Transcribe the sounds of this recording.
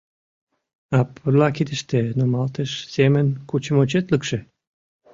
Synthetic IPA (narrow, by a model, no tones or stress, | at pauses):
ɑpʰːərlɑkid̪ə̆ʃt̪enomɑlt̪eʃsemənkut͡ɕə̆mot͡ɕet̪ləkʃĕ